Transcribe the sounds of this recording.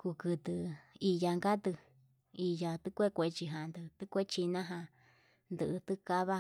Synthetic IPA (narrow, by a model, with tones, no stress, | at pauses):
ku˧kɨ˧t̪ɨ˧i˧ja˧ŋɡa˦t̪ɨ˧ | i˧ja˧t̪ɨ˦kʷe˦kʷe˧˨t͡ʃi˧ɦã˨nd̪ɨ˧t̪ɨ˦kʷe˦t͡ʃi˧nã˦ɦã˧ | nd̪ɨ˧ʔɨ˧t̪ɨ˦ka˧˦βa˦